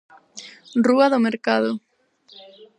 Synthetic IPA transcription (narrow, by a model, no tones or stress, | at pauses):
ruaðomeɾkaðʊ